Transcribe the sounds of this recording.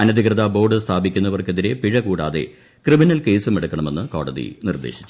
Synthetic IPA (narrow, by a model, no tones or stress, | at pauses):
ɐnɐd̪ʱikrɐðabo̞ːɖɨst̪ʰaːbikʲːunːɐʋɐrkeðiɾe̞piɻɐkuːɽaːðe̞̰ | krɨminɐlke̞ːsɨmeɽukːɐɳɐme̞nːɨko̞ːɽɐðḭnird̪e̞̰ːɕi̥t͡ɕː